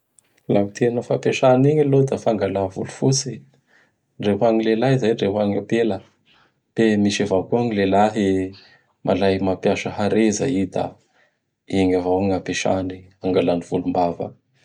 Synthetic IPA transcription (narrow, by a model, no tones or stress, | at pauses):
lamit̪ʰenəfapeʃaniɲilod̪afaŋɡalavulufut͡si | ɳɖ͡ʐeɦuaŋilelaizajɳɖ͡ʐeɦwaŋapelə | b̥emiʃavakuaŋilelaɦe | mʔa̰lajmapjaʃəɦaɾeza̰id̪a̰ | iŋavawaŋapeʃa̰niaŋɡalaniv̥ulumbavə̰